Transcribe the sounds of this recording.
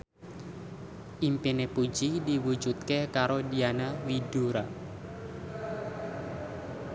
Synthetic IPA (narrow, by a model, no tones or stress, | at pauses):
ʔimpinepu̥d͡ʒidiwu̥d͡ʒut̪̚kekaɾodianawiduɾa